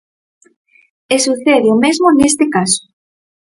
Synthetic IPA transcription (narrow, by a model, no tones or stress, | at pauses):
esuθeðjomezmonest̪ekaso̥